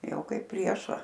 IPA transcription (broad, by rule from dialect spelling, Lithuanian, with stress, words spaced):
ˈjɛʊ ˈkɐɪp ˈpʲrʲiɛʃɐ